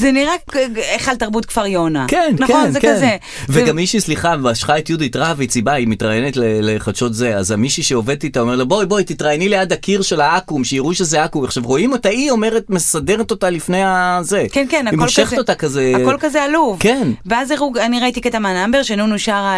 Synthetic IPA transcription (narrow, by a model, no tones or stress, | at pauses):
zeniʁaeχaltaʁbutkv̥aʁjonakennkenzkaze | veɡamiʃisliχabeaʃχaetjuditʁaveit͡sibaimit̪ʁajenetleleχadʃo̞tzeazamiʃiʃeove̞d̚t̪it̪aomelabojbojt̪itʁajenilejadakiʁʃe̞laakumʃeiʁuʃezeakumaχʃavʁo̞imo̞taio̞meʁetme̞sadeʁeto̞talifne̞jazekenkenakimolʃeχet̪otakazeakolkazealuvkenveazeʁuɡaniʁait̪iket̪amanambeʁʃenunuʃaʁa